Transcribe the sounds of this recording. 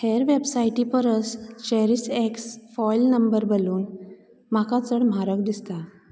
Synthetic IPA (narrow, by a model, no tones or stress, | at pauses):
hɛɾʋebsajʈipəɾəst͡ɕɛɾiseksfɔilnəmbəɾbəluːn | makat͡səɽm̤aɾəkd̪ist̪a